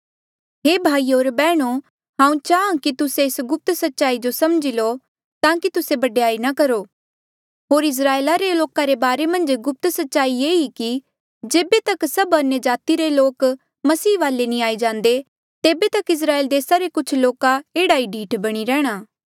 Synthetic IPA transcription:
ɦeːbʱaːijoːɾbɛːɽ̃o | ɦãːũt͡ʃaːãkit̪ʊseɪsɡʊp̚t̪sɐtːʃaːid͡ʒosɐmd͡ʒilo | t̪ãːkit̪ʊsebɐɖejaːinɐkɐɾo | ɦoːɾɪs̬ɾaːelaɾeloːkaɾebaːɾemɐ̃nd͡ʒɡʊp̚t̪sɐtːʃaːieːɦiki | d͡ʒeːbet̪ɐksɐbɐnjəd͡ʒaːt̪iɾeloːk | mɐsiːʋaːlenĩaːid͡ʒãːnd̪e | t̪eːbet̪ɐkɪs̬ɾaːeːld̪eːsaɾekʊt͡ʃʰloːkaeːɽaiɖʱiːʈbɐɽ̃iɾɛːɽ̃aː

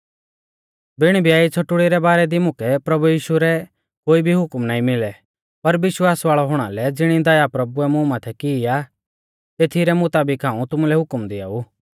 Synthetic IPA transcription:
bɪɽ̃ibʱijaːit͡sʰoʈʊɽiɾɛbaːɾɛd̪imʊ̃kɛpɾɐbujiːʃuɾɛ | koːibʱiɦʊkmnaːĩmɪlɛ | pɐɾʋɪʃwaːsʋaːɭɔɦʊɽ̃alɛd͡zɪɽ̃id̪ɐjapɾɐbuɛmʊ̃maːt̪ʰɛkɪja | t̪eːt̪ʰiɾɛmʊt̪aːbɪkãːũt̪ʊmulɛɦʊkmd̪ɪa̰ːuː

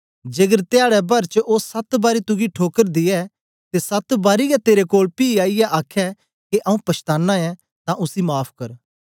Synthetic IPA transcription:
d͡ʒeːɡəɾt̪ejaːɽɛbɐɾt͡ʃʔoːsɐt̪baːɾit̪ʊɡiʈʰoːkəɾd̪ɪɛ | t̪esɐt̪baːɾiɡɛt̪eːɾekoːlpiːaːijɛʔaːkʰɛ | keʔɐũpɐʃt̪aːnːãɛ̃ | t̪ãʔʊsimaːpʰkɐɾ

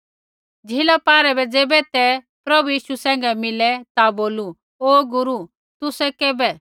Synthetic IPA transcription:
d͡zʱɪlɔpaːɾɛbɛd͡zeːbɛt̪ɛ | pɾɐbujiːʃusɛ̃ːŋ̆ɡɛmɪlɛt̪aboːlu | oːɡʊɾu | t̪ʊsɛkɛːbɛ

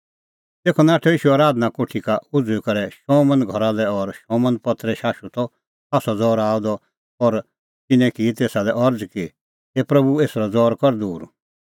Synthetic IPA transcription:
t̪eːkʰɔnaːʈʰɛiːʃuaːɾaːd̪nakoʈʰikaʊd͡zuikɐɾɛʃɔ̃mə̃nɡʱɔɾalɛɔɾʃɔ̃ːmə̃npɐt̪ɾɛʃaːʃut̪ɔ | aːsɔd͡zɔːɾaːud̪ɔ | ɔɾ | t̪ɪnɛ̃kit̪eːsalɛʔɐɾd͡zki | epɾɐbueːsɾɔd͡zɔːɾkɔɾd̪uːɾ

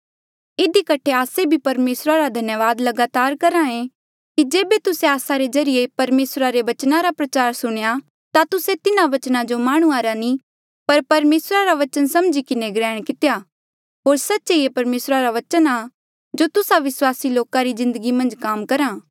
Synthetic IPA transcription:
ɪd̪ikɐʈʰeaːsebʱipɐɾmeːsɾaɾad̪ʱɐnjəʋaːd̪lɐɡaːt̪aːɾkɐɾãẽ | kid͡ʒeːbet̪ʊseaːsaɾezɐɾɪjepɐɾmeːsɾaɾeʋɐt͡ʃnaɾapɾɐt͡ʃaːɾsʊɽ̃ja | t̪at̪ʊset̪ɪnãʋɐt͡ʃnãd͡ʒomaːɽ̃ũaɾani | pɐɾpɐɾmeːsɾaɾaʋɐt͡ʃənsɐmd͡ʒikɪneɡɾɛːɽ̃kɪt̪eja | ɦoːɾsɐtːʃeiepɐɾmeːsɾaɾaʋɐt͡ʃəna | d͡ʒot̪ʊsaʋɪswaːsiloːkaɾizɪ̃nd̪əɡimɐ̃nd͡ʒkaːmkɐɾãː

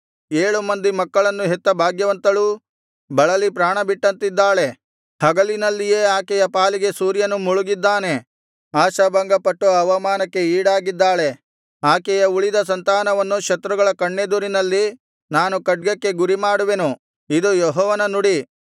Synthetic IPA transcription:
eːɭumɐnd̪imɐkːɐɭɐnːuɦet̪ːɐbʱaːɡjɐʋɐnt̪ɐluː | bɐɭɐlipɾaːɳɐbiʈːɐnt̪id̪ːaːɭe̞ | hɐɡɐlinɐlːije̞ːaːkɛjɐpaːliɡe̞suːɾjɐnumuɭuɡid̪ːaːne̞ | aːʃɐbɐŋɡɐpɐʈːɐʋɐɐʋɐmaːnɐkːe̞iːɽaːɡid̪ːaːɭe̞ | aːkɛjɐuɭid̪ɐs̬ɐnt̪aːnɐʋɐnːukʃɐt̪ɾuɡɐɭɐkɐɳːe̞d̪uɾinɐlːi | naːnukɐʈ̚ɡɐkːe̞ɡuɾimaːɽuʋe̞nu | id̪ujɔɦɔːʋɐnɐnuɽi

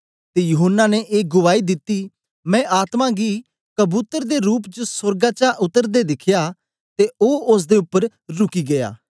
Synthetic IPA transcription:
t̪ejʊɦənːaneʔeːɡʊʋaːid̪ɪt̪ːi | mɛ̃ːʔaːt̪mãɡiː | kəbuːt̪əɾd̪eɾuːpd͡ʒəsəɾɡãt͡ʃaʔʊt̪ːəɾd̪ed̪ɪkʰjaː | t̪eoːʊs̬d̪eʊpːəɾ | ɾʊkiɡɐja̰ː

